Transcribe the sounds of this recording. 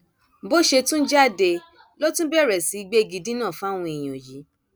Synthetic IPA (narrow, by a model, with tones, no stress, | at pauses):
bo˦ʃe˧tũ˦n̩˦d͡ʒa˦˨de˧ | lo˦tũ˦bɛ˦˨ɾɛ˨si˨˦i˧ɡ͡be˦˧ɡi˧dĩ˦nãː˦˨fa˦˨w̃ũ˧e˨j̃o˨ji˨˦